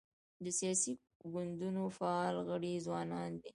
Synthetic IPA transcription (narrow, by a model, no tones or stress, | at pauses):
d̪əsijɑsi | ɡʊnd̪unofaɑlɣəɽizwɑnɑnd̪i